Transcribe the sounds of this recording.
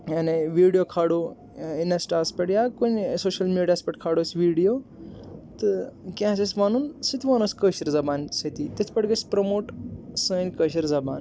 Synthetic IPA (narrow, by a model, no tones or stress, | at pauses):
ɐneʋiːɽijoːkʰaːɽoː | inesʈaːspeʈjakunsoːʃɐlmiːɽijaːspʲɐʈkʰaːɽoːsʋiːɖijoː | t̪ɨkʲãːs̬esʋaːnunsit̪ʰʋaːnoskəːʃiɾzɐbaːnsɐt̪iːt̪it̪ʰpɐʈɡəspɾɐmoːʈsə̃ːnʲkəʃiɾzɐba̰ːn